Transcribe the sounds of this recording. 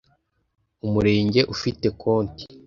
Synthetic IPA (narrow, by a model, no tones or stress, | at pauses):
umuɾe̞ːɲɟe̞ʔufite̞kʰo̞ːnti̥